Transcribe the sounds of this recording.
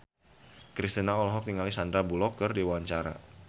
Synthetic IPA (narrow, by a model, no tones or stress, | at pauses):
kɾist̪inaɔlɔɦɔk̚t̪iŋalisand̪ɾabulɔkərdiwawaɲt͡ʃaɾa̰